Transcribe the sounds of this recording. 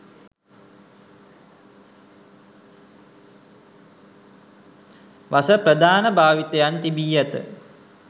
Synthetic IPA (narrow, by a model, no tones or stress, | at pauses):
ʋasəprəd̪ʱaːnəbʱaːʋit̪ɐjant̪ibiːjɐt̪ə̰